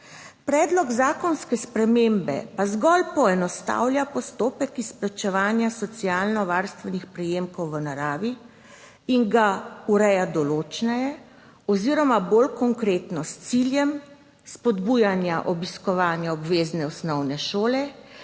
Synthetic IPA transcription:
pɾɛːd̪lɔɡzaːkɔnskɛspɾɛmeːmbɛ̰pazɡɔlpɔɛnɔst̪a̰ːwlʲjapɔst̪oːpɛkisplat͡ʃɛʋaːnjasɔt̪siaːlnɔʋaːɾst̪ʋɛnixpɾɛjeːmkɔwʋənaɾaːʋi | iŋɡauɾɛjad̪ɔloːt͡ʃnɛjɛ | ɔziɾɔmabolkɔŋkɾeːt̪nɔst̪siljɛm | spɔd̪bujanjaʔɔbiskɔʋaːnjaɔbʋeːznɛɔsnɔwnɛʃoːlɛ

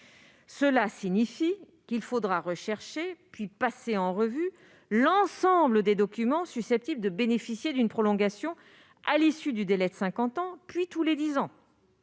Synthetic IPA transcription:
səlasiɲifi | kilfod̪ʁaʁəʃɛʁʃepɥipaseɑ̃ʁəvy | lɑ̃sɑ̃bləd̪ed̪ɔkʲymɑ̃sysɛp̚t̪ibləd̪əbenefisjed̪ynpχɔlɔ̃ɡasjɔ̃ | a̰lisyd̪yd̪elɛd̪əsɛ̃kɑ̃t̪ɑ̃pɥit̪uled̪izɑ̃

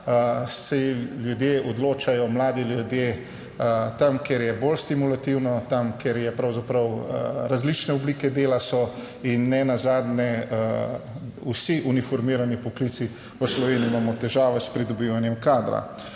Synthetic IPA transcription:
sɛljud̪jeːɔd̪loːt͡ʃajɔmlaːd̪iljud̪je | t̪amkeɾjɛbolst̪imulat̪iwnɔt̪amkʰɛɾjɛpɾawzapɾɐwɾazlit͡ʃnɛɔbliːkɛd̪eːlasɔ | inːɛnazaːd̪nɛ | usiʔunifɔɾmiɾanipɔkliːt̪si | ʋəslɔʋeːniuimaːmɔt̪ɛʒaːʋɛspɾid̪ɔbiʋanjɛmkaːd̪ɾa̰

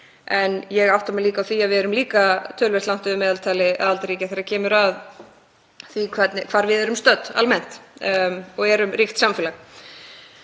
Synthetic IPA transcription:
ɛnjɛɣawht̪amɛliːkawθiavɪɛɾʏmliːkat̪ʰœːlvɛr̥t̪awn̥t̪ʏðʏmɛːðalt̪ʰaːlɪa̰ðalt̪aɾiːcaθɛɾacʰɛːmʏɾað | θikʰvɛt̪nɪkʰv̥aːɾvɪðɛɾʏmst̪œt̪ːa̰lmɛn̥t̪ | ɔɣɛɾʏmrixt̪samfɪːlax

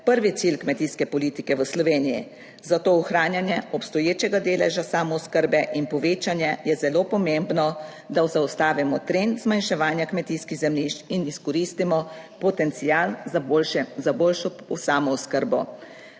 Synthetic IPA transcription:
pəɾʋit̪silkmɛt̪iːskɛpɔliːt̪ikɛʋəslɔʋeːnijḭ | zat̪oːuxɾaːnjanjɛɔpst̪ɔjeːt͡ʃɛɡad̪eːlɛ̰ʒasaːmɔɔskəɾbɛʔinpɔʋeːt͡ʃanjɛjɛzɛloːpɔmembnɔ | d̪awzawst̪aːʋimɔt̪ɾent̪zmanʃɛʋaːnjakmɛt̪iskiɣzɛmliʃt͡ʃiniskɔɾiːst̪imɔpɔt̪ɛnt̪sijaːl | zaboːlʃɔsaːmɔuskəɾbɔ̰

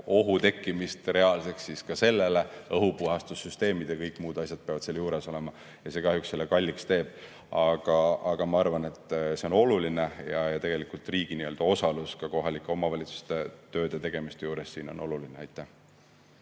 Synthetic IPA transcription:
o̞ɦut̪e̞kːimist̪re̞ɑlse̞ksːiskɑse̞lːeleɤɦupuɦɑst̪usːyst̪e̞ːmid̪̥jɑkɤjkːˑmuːd̪̥ɑsʲjɑd̪̚peɑvɑd̪̥seːljuːɾe̞so̞le̞mɑ | jɑse̞ːkɑɦjukse̞lːekɑlʲːikst̪e̞ːb̥̚ | ɑɡ̥ɑɑɡ̥ɑmɑɑrvɑne̞t̪ːˑse̞o̞no̞lulinejɑjɑt̪e̞ɡ̥e̞likult̪ˑriːɡ̥iniø̞ld̪̥ɑo̞sɑluskɑko̞ɦɑlikːˑeo̞mɑvɑlʲit̪su̥st̪et̪ø̞ːd̪̥et̪e̞ɡ̥e̞mist̪e̞juːɾe̞sːiːno̞̰nʔo̞lulineɑjt̪ːˑæh

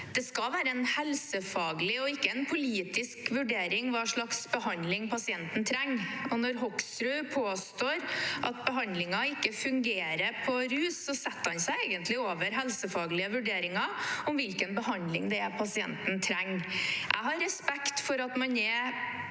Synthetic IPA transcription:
d̪̥ɛskɑlʋæːɾəɛnhɛlsəfɑːɡlɪɔɪkːəɛnpʰʊliːt̪ɪskʋʉɖeːɾɪŋʋɑːʂɭɑksbəɦɑnd̪lɪŋpʰɑsɪɛnt̪n̩t̪ʰɾɛŋːɔnɔɾɦɔksɾʉːpʰoːst̪oːɾʔɑt̪̚bəɦɑnd̪lɪŋɑɪkːəfʉŋɡeːɾəpʰɔɾʉːsːɔsɛt̪ːəhɑnsæɪeːɡənt̪lɪoːʋəɾɦɛlsəfɑːɡlɪəʋʉɖeːɾɪŋɑɔmʋɪlkənbəɦɑnd̪lɪ̰ŋd̪ɛpʰɑsɪɛ̰nt̪n̩t̪ʰɾɛŋːʔæ̰ɪɦɑɾɛspɛkt̪fɔɾɑt̪mɑnɛ

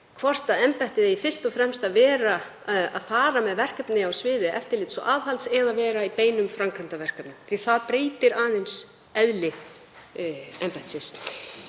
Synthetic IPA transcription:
kʰvɔr̥t̪aðɛmpɛht̪ɪðɪifɪr̥st̪ɔfɾɛmst̪aðvɛːɾa | a̰ðfaːɾamɛðvɛr̥kɛpnɪawsvɪːðɪʔɛ̰ft̪ɪɾlɪːt̪sɔ̰ʔaːðhalt̪sɛðavɛːɾaipeːjnʏmfɾamkʰant̪avɛr̥kœpnʏmθʰi̥θaðpɾeːjt̪ɪɾaːðens | ɛðlɪ | ɛmpɛ̥ht̪sɪs

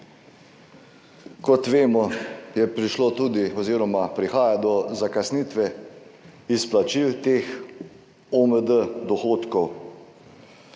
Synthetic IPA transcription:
kɔt̪ʋeːmɔjɛpɾiʃlot̪uːd̪iɔziːɾɔmapɾixaːjad̪ɔzakasniːt̪ʋɛ | isplat͡ʃiwt̪eːx | ɔməd̪əd̪ɔxoːt̪kɔw

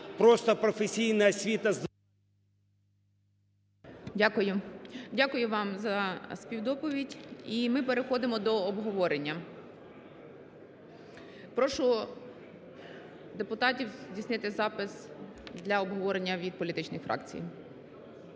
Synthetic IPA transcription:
pɾɔst̪ɐpɾɔfesʲijnɐɐsʲʋʲit̪ɐ | dʲakʊjʊdʲakʊjʊʋɑmzɐspʲiwd̪ɔpɔʋʲidʲimɪpeɾexɔd̪ɪmɔd̪ɔːbɦɔʋɔɾenʲːɐ | pɾɔʃʊ | d̪epʊt̪ɑtʲiwzzʲdʲisʲnɪt̪ɪzɑpɪsd̪lʲɐɔbɦɔʋɔɾenʲːɐʋʲid̪̚pɔlʲit̪ɪt͡ʃnɪxfɾʔɑ̰kt͡sʲḭj

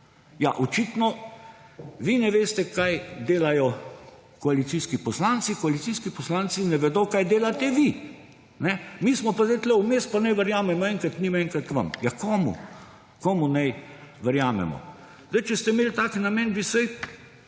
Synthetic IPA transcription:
jaʔɔt͡ʃit̪nɔ | ʋinɛʋeːst̪ɛkajd̪eːlajɔ | kɔalit̪siskipɔslaːnsikɔalit̪siskipɔslant̪sinɛʋɛd̪ɔkajd̪eːlat̪ɛʋi | nɛmismɔpazd̪aɪt̪lɛumeːst̪̚panɛjʋəɾjaːmɛmɔɛŋkɾat̪nimɛ̃ŋkɾat̪ʋa̰mjakɔːmṵ | kɔːmunɛjʋəɾjaːmɛ̰mɔ̰ | zd̪ajt͡ʃɛst̪ɛimeːlt̪aːknamɛnbisɛj

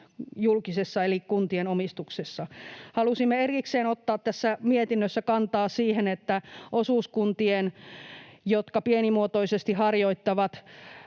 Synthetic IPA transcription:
julkisesːɑelikkunt̪ienomist̪uksesːɑhɑlusimːeerikseːnot̪ːɑːt̪t̪æsːæmiet̪inːøsːækɑnt̪ɑːsiːhenet̪ːæʔosuːskunt̪ien | jot̪kɑpienimuot̪oisest̪ihɑrjoit̪ːɑʋɑt̪

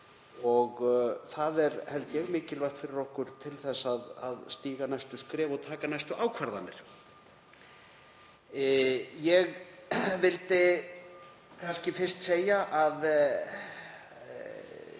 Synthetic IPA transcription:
ɔɣθaðɛɾhɛlt̪jɛɣmɪːcɪlvajht̪fɪɾɪɾɔhkʏɾ̥t̪ʰɪlθɛsːaða̰ðst̪iːɣanajst̪ʏskɾɛːvɔɣt̪ʰaːkanajst̪ʏʔaːwkʰvaɾðanːɪɾ̥ | jɛɣvɪlt̪ɪ | kʰanscɪfɪrst̪seːjaʔað

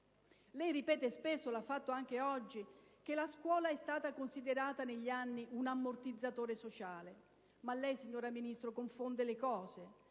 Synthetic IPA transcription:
lɛjripɛːt̪espesːolafːat̪ːoaŋk̟eɔd͡ʒːik̟elaskwɔːlaɛst̪aːt̪akonsid̪eɾaːt̪aneʎːianːiʔunamːort̪id̪zːat̪oːɾesot͡ʃaːle | malːɛjsiɲːoːɾaminist̪ɾokoɱfond̪elɪkɔːze

